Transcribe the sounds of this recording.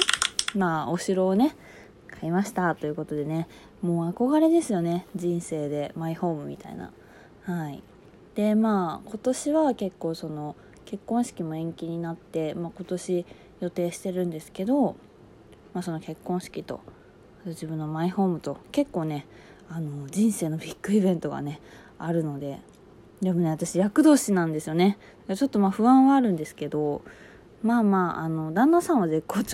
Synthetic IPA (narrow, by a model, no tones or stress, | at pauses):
maːoɕiɾo̞ːne̞ | kʰaimaɕi̥t̪at̪o̞jiɯ̟ko̞t̪o̞d̪e̞ne̞ | mo̞ːako̞ɡaɾe̞d̪e̞sɨjo̞ne̞d͡ʑĩɰ̃se̞ːd̪e̞maiho̞ːmɯ̟mʲḭt̪a̰ḭna̰ | haḭ | d̪̥e̞maːko̞t̪o̞ɕiβake̞kːo̞ːso̞no̞ | ke̞kːõ̞ɰ̃ɕi̥kʲimo̞ẽ̞ŋkʲiɲ̟inat̪ːe̞maːko̞t̪o̞ɕi | jo̞t̪e̞ːɕi̥t̪e̞ɾɯ̟̃nd̪e̞sɨ̥ke̞d̪o̞ | maːso̞no̞ke̞kːõɰ̃ɕi̥kʲit̪o̞̰ | at̪oʑibɯ̟̃nːo̞maiho̞ːmɯ̟t̪o̞ke̞kːo̞ːne̞ | anod͡ʑĩɰ̃se̞ːno̞pʲikːɯ̟ibẽ̞nt̪o̞ɡa̰ne̞ | aɾɯ̟no̞d̪e̞ | d̪e̞mo̞ne̞at̪aɕijakɯ̟d̪o̞ːɕinãnd̪e̞sɨjo̞ne̞d̪akat͡ɕo̞t̪ːo̞maːɸɯ̟ãɰ̃βaːɾɯ̟̃nd̪e̞sɨ̥ke̞d̪o̞ | maːmaːʔa̰no̞d̪ãnːasãɰ̃βaze̞kːoː